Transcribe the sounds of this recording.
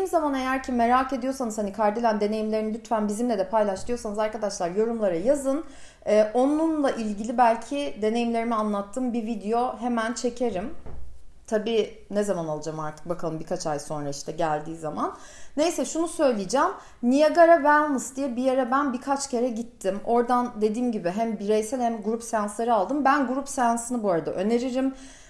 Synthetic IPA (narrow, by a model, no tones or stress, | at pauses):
iimzamane̞jæɾcʰime̞ɾaːke̞d̪ijo̞ɾsanɯzhanikʰaɾd̪elʲænd̪e̞ne̞jimlʲeinilʲyt̪fænbizimlʲɛd̪ɛpʰajlˠaʃt̪ʰɯjo̞ɾsanɯzaɾkad̪aʃlˠaɾjo̞ɾumlˠaɾajazɯn | ɛːʔo̞nunlˠaʔilʲɟilʲibælʲcʰid̪e̞ne̞jimlʲe̞ɾimianlˠat̪ʰːɯmbivid̪ejo̞ɦe̞mænt͡ʃʰe̞cʰe̞ɾim | t̪ʰabiː | nɛzamanalˠad͡ʒamaɾt̪ʰɯ̥k̚bakʰalˠɯmbikʰat͡ʃʰajso̞nɾaiʃt̪ʰɛɟælʲd̪iːzamanː | e̞jsɛʃunusø̞jlʲijed͡ʒæm | nijeɡaɾavælʲˠmɯsd̪ijɛbijeɾɛbænbikʰat͡ʃcʰe̞ɾɛɟit̪ʰːimo̞ɾd̪and̪e̞d̪iːmɟibɪɦæmbiɾe̞jsɛlʲhɛmɡuɾupsejanslˠaɾɯalˠd̪ɯmbænɡuɾupsejansɯnɯbuaɾad̪a̰ʔø̞ne̞ɾiɾim